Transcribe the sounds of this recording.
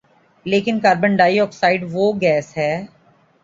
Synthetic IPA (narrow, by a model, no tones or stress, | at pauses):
leːkɪnkaːɾbəɳɖaːiɔːksaːɪɖʋoːɡɛːsɦɛː